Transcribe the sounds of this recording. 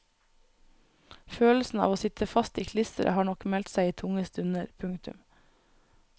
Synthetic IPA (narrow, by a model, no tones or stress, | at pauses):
føːl̩sn̩ɑ̰ːʋoːsɪt̪ʰəfɑst̪iːkʰlɪsəɾʔə̰hɑːɳɔkmɛlt̪sæɪiːt̪ʰʊŋəst̪ʉnəɾpʰʉŋt̪ʉ̰m